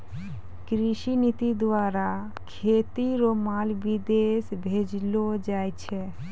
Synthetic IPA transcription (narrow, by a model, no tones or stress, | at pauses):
kɾiʃinit̪id̪ʋaɾa | kʰet̪iɾomalbid̪esbʱed͡ʒlod͡ʒajt͡ʃʰe